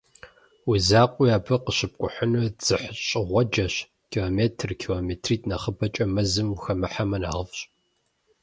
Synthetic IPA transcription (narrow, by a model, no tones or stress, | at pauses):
wizaːqʷʼiaːbʰɐqəɕɪp̚kʷʼʊħənud͡z̥ɨħɕʼɪʁʷɔd͡ʒɐɕ | kʰiːloːmeːtʰrkʰilomeːtʰriːtʰʼnɐχəbɐt͡ʃʼɐmɐzɨmxɐmɨħamɐna̰ːʁəfɕʼ